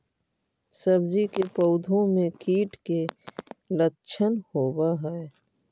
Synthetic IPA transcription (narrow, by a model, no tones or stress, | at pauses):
sɐbd͡ʒikepəʊd̪ʱõmẽkʰiːʈke | lətːt͡ʃʰənhoːwaɦɛː